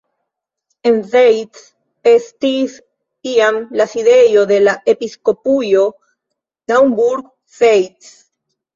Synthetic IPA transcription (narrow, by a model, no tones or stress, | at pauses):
enzejt̪s | est̪is | iamlasiðejoðelaʔepiskopujo | d̪awmbuɾɡ | sejt̪s